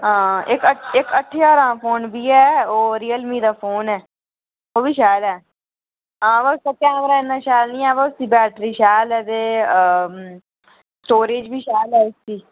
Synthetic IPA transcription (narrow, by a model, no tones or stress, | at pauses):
ɦãːɪkəɪkəʈʰːeːaːɾãːpʰoːnbʱiːɛːoːɾiːəlmiːd̪aːpʰoːnɛː | oːbiːʃɛːlɛː | ãːʋəsaːkɛːmɾaːɪnːãːʃɛːlnĩːɛːbaːʊsiːbɛːʈɾiːʃɛːlɛːt̪eː | sʈoːɾeːd͡ʒbʱiːʃɛːlɛːʊst̪iː